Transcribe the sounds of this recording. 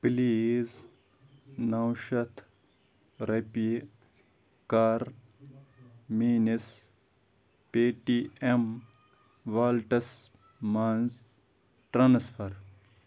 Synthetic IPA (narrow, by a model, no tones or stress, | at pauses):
pliːz | nɐwʃɐt̪ʰ | ɾepi | kaɾ | miːnis | peːʈiem | ʋaːlʈɐs | manz | ʈɾansfʰɐɾ